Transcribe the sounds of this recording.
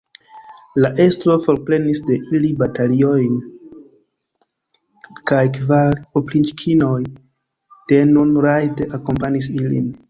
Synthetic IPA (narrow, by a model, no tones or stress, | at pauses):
laʔe̞stɾo̞fo̞ɾpɾe̞nisde̞ʔilibatalio̞jn | kajkvaɾoplint͡ʃkʰino̞j | d̥e̞nunɾajteʔako̞mpanisilḭn